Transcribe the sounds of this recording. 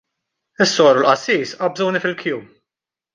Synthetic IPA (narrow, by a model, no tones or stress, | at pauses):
ɪsːɔːɾʊlʔɐsːiːsɐbzɔwnifɪlkjuːm